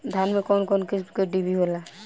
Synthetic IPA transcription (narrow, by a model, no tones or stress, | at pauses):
d̪ʱanmekɔːnkɔnkiskeɖibʱiɦola